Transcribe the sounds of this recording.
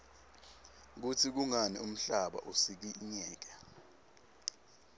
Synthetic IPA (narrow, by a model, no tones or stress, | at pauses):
k̬ut͡sʰik̬uŋanḭum̩ɬaɓa̰ʔusik̬iɲɛːk̬ɛ